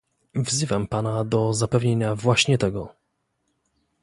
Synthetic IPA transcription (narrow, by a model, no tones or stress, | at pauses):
vzɘvampanad̪ɔzapɛvɲeɲavwaɕɲɛt̪ɛɡɔ